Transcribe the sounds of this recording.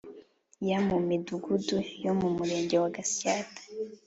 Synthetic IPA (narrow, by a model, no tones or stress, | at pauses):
jamumiduɡudujo̞mumuɾe̞ːɲɟe̞waɡasijaːtḁ